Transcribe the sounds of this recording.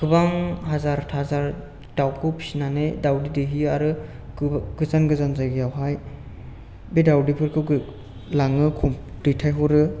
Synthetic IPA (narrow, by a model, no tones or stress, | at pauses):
kʰɯbaŋɦazaɾtʰazaɾ | tawkʰɯwpʰi̥sinanedawdideɦiaɾɯ | ɡɯzanɡɯzanzajɡɯjawɦaj | bedawdipʰɯɾkʰɯɡɯ | laŋɯkʰumd̥ɯjtʰajɦɔɾɯ